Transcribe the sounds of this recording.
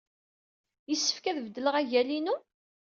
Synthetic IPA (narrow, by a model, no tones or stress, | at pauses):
jəsːə̥fkæðvəd̪ːələʁæʝælinu